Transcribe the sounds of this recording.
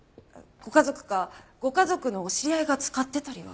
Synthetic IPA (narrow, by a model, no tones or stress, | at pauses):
ɡ̥o̞kazo̞kɯ̟̥ɡaɡ̥o̞kazo̞kɯ̟no̞ɕiɾʲiaiɡat͡sɨ̥kat̪ːe̞t̪aɾʲiβa̰